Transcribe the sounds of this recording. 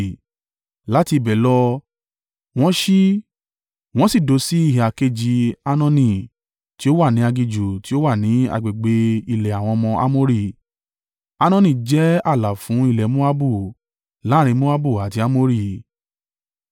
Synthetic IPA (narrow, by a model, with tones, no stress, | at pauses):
la˨˦ti˧˨bɛ˨lɔ˧ | w̃ɔ̃˦ʃi˦ | w̃ɔ̃˦si˦˨do˨˧˦si˦i˦˨ɦi˨a˨ke˧d͡ʒi˧a˧nɔ̃˧nĩ˨ | ti˨˦o˦wa˦˨nĩ˨˦a˧ɡi˧d͡ʒu˨ti˦o˦wa˦˨nĩ˨˦a̰˧ɡ͡be˨ɡ͡be˧˦i˧˨lɛ˨a˨w̃ɔ̃˧ɔ˧mɔ̃˧ʔa̰˦mo˦ɾi˦˨ | a˧nɔ̃˦˧nĩ˦˨d͡ʒɛ˨˦a˦˨la˨fũ˨˦i˦˧lɛ˨mõ˦a˦bu˦˨ | la˨˦ɾ̃ĩ˧mõ˦a˦bu˦˨a˨ti˧a˦mo˦ɾi˦˨